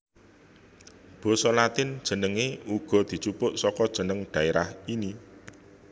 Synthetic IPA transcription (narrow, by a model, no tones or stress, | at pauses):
b̥ɔ̤sɔlat̪ɪnd̥ʒ̥ə̤nəŋeuɡ̥ɔ̤d̪̥i̤t͡ʃupʊʔsɔkɔd̥ʒ̥ə̤nəŋɖ̪̥ä̤eɾahini